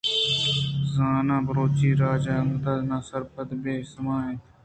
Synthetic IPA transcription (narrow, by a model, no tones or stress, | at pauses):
zaːnãːbəɾoːt͡ʃiːɾaːd͡ʒaːəŋɡd̪aːznãːsəɾpəd̪beːsmãːɦẽː